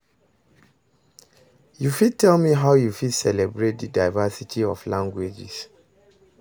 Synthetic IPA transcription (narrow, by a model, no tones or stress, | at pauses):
jufid̚tʰɛlˠmiɦaʊjufidsɛlɛbɹet̚dədaɪvasitʰiɔflãŋɡwed͡ʒḭs